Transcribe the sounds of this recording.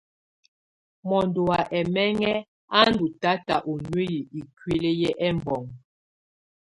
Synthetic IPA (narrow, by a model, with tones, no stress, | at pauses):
mɔ˨ndo˨a˨ʔɛ˨mɛ˦ŋɛ˦ | a˦ndu˨ta˦ta˨ʔo˨nwe˦ji˨i˨kɥe˦le˦jɛ˦ʔɛ˦mbɔ˨ŋ